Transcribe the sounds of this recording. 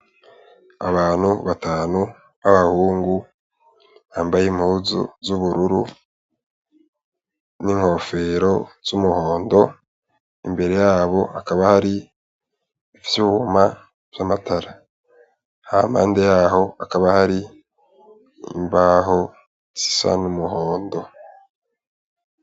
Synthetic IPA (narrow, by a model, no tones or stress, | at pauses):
a̰βaːn̥huβataːnu | aβahuːŋɡu | haːmbajimhuːzṵzuβuɾuɾu | niŋho̞fe̞ɾo̞z̥umuho̞ːndo̞ | imbe̞ɾe̞jaːβo̞ʔakaβahaɾi | βifi̥seβuhoma | v̥jamatʰaɾa | ha̰mha̰ːnde̞jaho̞akaβahaɾi | ḭmbaːho̞ | z̥i̥sa̰numuho̞ːndo̞